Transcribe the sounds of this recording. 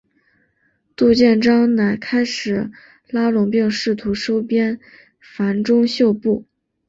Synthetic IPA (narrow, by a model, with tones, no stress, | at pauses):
t̪u˥˧t͡ɕjɛ˥˩nʈ͡ʂɑ˥ŋna˨˩ɪkʰa˥ɪʂɻ̩˨˩˦ | la˥lʊ˨˩ŋpi˥˧ŋʂɻ̩˥˩t̪ʰu˧˥ʂo˥ʊpjɛ˥n | fa˧˥nʈ͡ʂʊ˥ŋɕjo˥˧ʊpu˥˩